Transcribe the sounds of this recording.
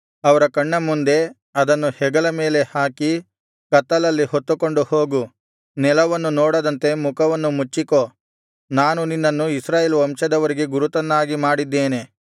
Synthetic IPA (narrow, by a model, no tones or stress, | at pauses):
ɐʋɐɾɐkɐɳːɐmund̪e̞ | ɐd̪ɐnːuhɛɡɐlɐme̞ːle̞haːki | kɐt̪ːɐlɐlːihot̪ːuko̞ɳɖuhoːɡu | nɛlɐʋɐnːunɔːɽɐd̪ɐnt̪e̞mukʰɐʋɐnːumut͡ʃːiko̞ː | naːnuninːɐnːuisɾaːjeːlʋɐmʂɐd̪ɐʋɐɾiɡeɡuɾut̪ɐnːaːɡimaːɽid̪ːeːne̞